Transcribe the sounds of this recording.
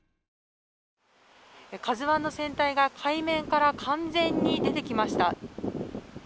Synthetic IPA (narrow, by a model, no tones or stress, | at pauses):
kazɨβãnːo̞sẽ̞nt̪aiɡakʰaimẽ̞ŋkaɾakʰãnd͡zẽ̞ɲ̟ːid̪e̞t̪e̞kʲimaɕi̥t̪a